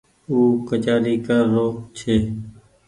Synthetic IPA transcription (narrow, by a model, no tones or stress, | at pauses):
uːkət͡ʃaːɾiːkəɾːoːt͡ʃʰeː